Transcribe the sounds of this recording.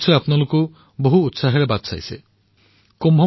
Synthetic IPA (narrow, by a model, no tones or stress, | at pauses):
t͡ʃʰɔapnɔloku | boɦuːt̪saɦɔɾebat̪sa̰jse | kombʱɔ